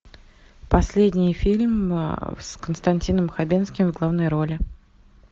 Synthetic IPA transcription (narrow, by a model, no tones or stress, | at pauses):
pɐsʲlʲedʲnʲɪjfʲilʲmskənst̪ɐnʲtʲinəmxɐbʲenskʲɪmvɡlˠavnəjɾo̞lʲɪ